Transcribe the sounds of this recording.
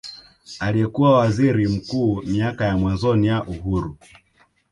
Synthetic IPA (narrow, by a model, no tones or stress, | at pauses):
aliɛkuwawaziɾim̩kuːmiakajamwanzɔnijaʔuɦuɾu